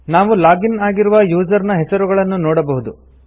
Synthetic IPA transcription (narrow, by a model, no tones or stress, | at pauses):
naːʋulaːɡinaːɡiɾuʋɐjuːd͡ʒɐɾnɐɦɛsɐɾuɡɐɭɐnːunoːɽɐbɐɦud̪u